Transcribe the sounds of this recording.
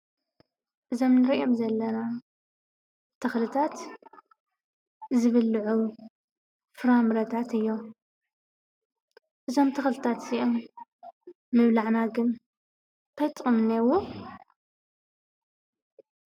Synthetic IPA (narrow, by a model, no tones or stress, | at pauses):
ʔɨzo̞mnɨɾiʔomzɐlːɐna | t̪ʰɐxlɨt̪ʰat̪ | zɨβɨlːʕu | fɨɾamɾɐt̪ʰat̪ɨjːo̞ | ʔɨzo̞mt̪ʰɐxlɨt̪ʰat̪iʔom | mɨβlaʕnaɡɨn | tʰɐjt̪ʼɨmnewu